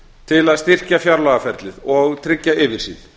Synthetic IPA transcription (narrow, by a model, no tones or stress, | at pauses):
t̪ʰɪlaðst̪ir̥cafjawɾlaɣafɛɾt̪lɪðɔɣt̪ʰɾɪcːaɪːvɪr̥sið